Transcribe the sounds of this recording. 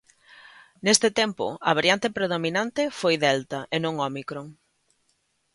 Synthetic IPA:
nest̪ɪt̪ɛmpʊ̰ɐβaɾjant̪epɾeðominant̪ɪfojðɛlt̪ɐʔenõŋɔmikɾoŋ

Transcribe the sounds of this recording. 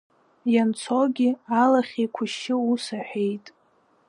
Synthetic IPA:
jant͡sʰoɡʲɪalaχʲejkʷʰʊʃɪusaħʷᶣe̞jtʼ

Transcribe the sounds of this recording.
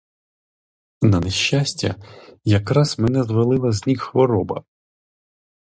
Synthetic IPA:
nɐneʃːasʲtʲɐ̰jɐkɾɑzmenɛzʋɐlˠɪlˠɐzʲnʲikxʋɔɾɔbɐ̰

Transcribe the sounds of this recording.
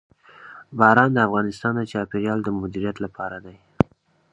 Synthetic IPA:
bɑɾɑnd̪əafɣɑnɪst̪ɑnd̪ət͡ʃɑpeɾjɑld̪əmʊd̪iɾijat̪lapʰɑɾad̪aj

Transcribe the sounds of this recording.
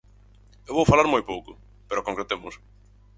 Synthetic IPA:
ewβowfalaɾmojpowkʊ | peɾʊkõŋkɾet̪emʊs

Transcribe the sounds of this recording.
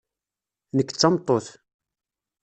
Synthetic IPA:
nəkːt͡sːɑmt̪ˤːoθ

